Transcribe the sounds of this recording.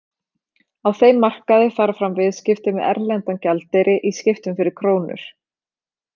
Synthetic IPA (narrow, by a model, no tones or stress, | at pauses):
awθejmːar̥kaðɪfaːɾafɾamvɪðscɪft̪ɪmɪðɛ̰ɾlɛnt̪ancalt̪ejɾɪʔiscɪft̪ʏmfɪɾɪɾ̥kʰɾoːwnʏ̰ɾ̥